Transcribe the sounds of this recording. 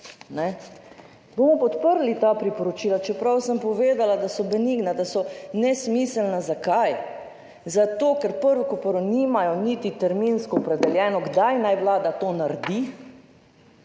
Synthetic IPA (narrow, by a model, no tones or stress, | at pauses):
nɛ | bomɔpɔt̪pəɾlit̪aːpɾipɔɾɔt͡ʃiːlat͡ʃɛpɾawsəmpɔʋeːd̪alad̪asɔbɛniɡnad̪asɔnɛsmisəlnazakaj | zat̪oːkɛɾpəɾʋɔkɔpɔɾɔnimajɔnit̪it̪ɛɾminskɔːpɾɛd̪ɛljɛːnɔɡd̪ajnajʋlaːd̪at̪oːnaɾd̪i